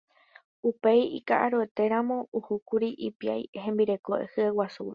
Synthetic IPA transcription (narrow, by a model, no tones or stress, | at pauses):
upe̞jḭkaʔaɾoe̞t̪e̞ɾãmõ̞uhukuɾiʔipia̰jhẽ̞mbiɾe̞koʔḛhɨewasu